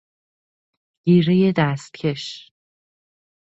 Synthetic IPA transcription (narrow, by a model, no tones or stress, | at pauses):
ɟ̥iːɾejed̪æst̪̚cʰe̞ʃ